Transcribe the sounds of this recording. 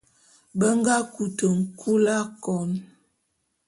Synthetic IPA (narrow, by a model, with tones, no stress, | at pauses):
bə˦ŋɡa˦ku˨tə˨ŋ̩˨kʰu˦la˦kɔ˨n